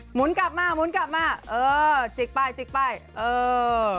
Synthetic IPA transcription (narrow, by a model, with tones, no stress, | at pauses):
mu˨˦ənkaː˧˨˩p̚maː˧˩mu˨˦nkaː˧˩p̚maː˧˩ʔəː˧t͡ɕi˨˩k̚ɓaː˧˩jt͡ɕï˨˩k̚ɓaː˧˩jʔəː˧˩